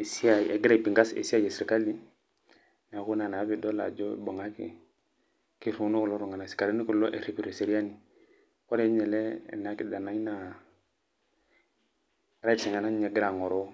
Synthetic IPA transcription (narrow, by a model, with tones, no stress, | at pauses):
e˨si˦a˦˨ḛ˨ɡi˦ɾa˨pi˨ŋɡa˦sḛ˨si˦a˦je˨si˨ɾka˦li˦ | n˨ku˦na˨na˨˦bi˨do˦la̰˨d͡ʒɔ̰˦˨bo˨ŋa˦kḭ˨ | ki˦ɾu˨˦nu˦ku˨lo˦ɾu˨ŋa˨na˨si̥˨ka˨li˦ni˦ku˨lo˦ʔḛ˨ɾe˨pi˨ɾe˨se˨ɾi˦a˦ni˨ | ko˦ɾe˦ɲɛ˨lɛ̰˦˨na˨˦ki˦da˨na˨˦i˦na˨˦ | ɾa˦˨si˨ŋa˨na˦ɲe˨ɡi˦ɾa˨ŋɔ˨ɾo˦